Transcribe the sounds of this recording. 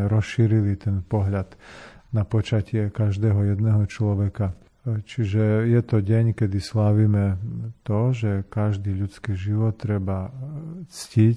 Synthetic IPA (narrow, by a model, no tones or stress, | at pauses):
ɾɔsʃiːɾilit̪ɛnpɔɦʎad̪̥napɔt͡ʃacɪɛkaʒd̪ɛːɦɔjɛd̪nɛːɦɔt͡ʃlɔʋɛka | t͡ʃiʒɛjɛt̪ɔɟɛɲkɛd̪islaʋiːmɛt̪ɔʒɛkaʒd̪iːʎut͡skiʒiʋɔt̪ːɾɛba | t͡scic